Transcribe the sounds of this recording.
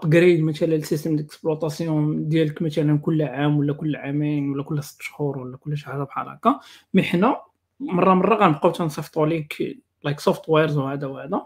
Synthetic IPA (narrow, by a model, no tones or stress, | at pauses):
t̪ɡɾid̪mæt̪ælælsist̪əmləksblɑt̪ˤɑsjud̪jæləkmæt̪ælənkʊlːʕamwəlːækʊlːʕaminwəlːækʊlːhæst̪ːʃhuɾwəlːækʊlːæʃaħzæbħɑ̰ɾɑ̰kɑməħnæ | mɑrˤːɑmɑrˤːɑɣænəbqɑwt̪ænsˤɑft̪ˤulik | lajksoft̪weɾzwhæd̪æwhæd̪æ